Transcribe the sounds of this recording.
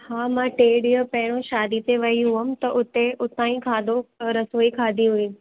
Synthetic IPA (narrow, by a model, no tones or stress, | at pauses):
haːmãːʈeːɽijopɐɦɪɽ̃õʃaːd̪it̪eʋɐɦiɦʊɦəm̆t̪ɐʔʊt̪eʊt̪ãːĩkʰaːd̪oɾɐsoːikʰaːd̪ʱiɦʊĩ